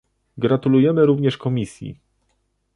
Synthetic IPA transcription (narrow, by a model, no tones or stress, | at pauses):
ɡɾat̪ulujɛmɘɾuvɲɛʂkɔmʲisʲjḭ